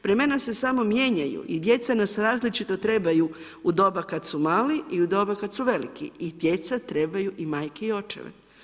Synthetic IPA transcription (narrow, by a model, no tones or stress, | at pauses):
pɾeme̞nase̞samo̞mje̞ɲajṵʔid̪je̞t̪sanasɾaːzlit͡ʃit̪o̞t̪ɾe̞baju | ud̪o̞bakat̪sumaːliiud̪o̞bakat̪suʋe̞lḭkḭid̪je̞t̪sat̪ɾe̞bajuʔimaːjkeio̞t͡ʃḛʋḛ